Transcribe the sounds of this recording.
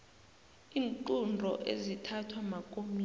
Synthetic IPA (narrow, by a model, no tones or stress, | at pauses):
iːŋǃundʱɔ̰ʔḛzitʰatʰwamakʼomi